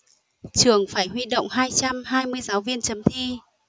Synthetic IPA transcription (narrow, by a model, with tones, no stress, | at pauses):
t͡ɕɨ˧˩əŋfaː˧˩jɦwi˧ɗo̰˧˨wŋ͡mhaː˧jt͡ɕa˧mhaː˧jmɨ˧əjzaː˨˦wvi˧ənt͡ɕə˨˦mt̪ʰi˧